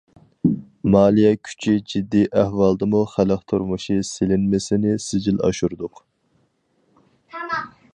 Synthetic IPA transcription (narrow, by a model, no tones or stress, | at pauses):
mɑːlˠijɛkʲʰy̥t͡ʃʰid͡ʒid̪ːiʔæhwɑlˠd̪ɨmuχæləqt̪ʰuɾmuʃiselɪnmɪsɪnɪsɪd͡ʒilɑ̰ʃuɾd̪ʊq